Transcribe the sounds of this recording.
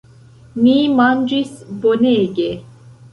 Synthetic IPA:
mimand͡ʒisboneɡe

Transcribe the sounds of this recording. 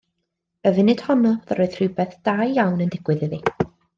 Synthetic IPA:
əvɨnɪd̥hɔnɔðəɾoɨðr̥ɪbɛθd̥ajjawnəndɪɡ̥wɨðəði

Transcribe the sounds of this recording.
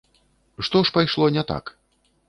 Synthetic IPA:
ʂt̪ɔʂpajʂlˠɔnʲɛt̪a̰k

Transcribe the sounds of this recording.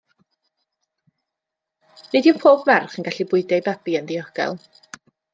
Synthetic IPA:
nediuwnpʰoːbmɛrχənɡaɬibʊɨdɛjbabiənðiɔɡ̥ɛ̰lˠ

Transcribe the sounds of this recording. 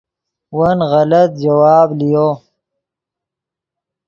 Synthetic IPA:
wɐnɣɐlɐt̪̚d͡ʒɐwɑːblijo

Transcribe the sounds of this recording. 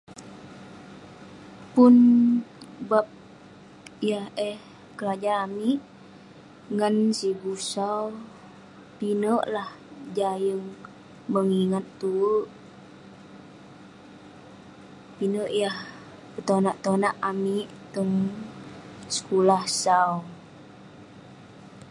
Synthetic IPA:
pun | bap̚ | jahɛh | kəlad͡ʒaːmiʔ | ŋansibusaw | pinəʔlah | d͡ʒajəŋ | məŋiŋat̪ːuʔ | pinəʔjah | pət̪onaʔt̪onaʔami | t̪əŋ | sə̥kulahsau

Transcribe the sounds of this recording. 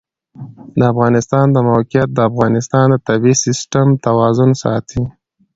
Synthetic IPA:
d̪əafɣɑnɪst̪ɑnd̪əmawqjat̪̚d̪əafɣɑnɪst̪ɑnd̪ət̪abisɪsʈamt̪awɑzʊnsɑ̰t̪ʰi

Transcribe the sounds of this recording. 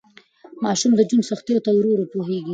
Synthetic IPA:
mɑʃumd̪əd͡ʒunsaxt̪ejot̪awɾoɾopoɦeɡi

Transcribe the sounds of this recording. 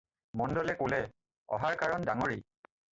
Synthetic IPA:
mɔndɔlɛkolɛ | ɔ̰ɦaɹkaɹɔndaŋoɹi

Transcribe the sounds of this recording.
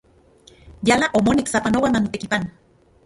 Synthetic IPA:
jalaʔomoniksapanowanant̪ekipana

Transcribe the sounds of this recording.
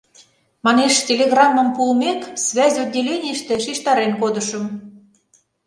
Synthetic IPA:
mɑneʃtʲelʲeɣrɑmːə̆mpulmeksvʲæzʲodʲːelʲenʲiəʃt̪ĕʃiʃt̪ɑɾenkod̪ə̆ʃə̆m

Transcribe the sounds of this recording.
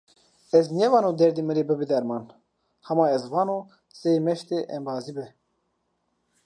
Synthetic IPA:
ɛznɛvɑːnoːd̪ɛɾd̪imɨɾebɨbid̪ɛɾmɑːn | hɛmɑːɛzvɑːno | semɛʃt̪eʔɛmbɑːzibɛ

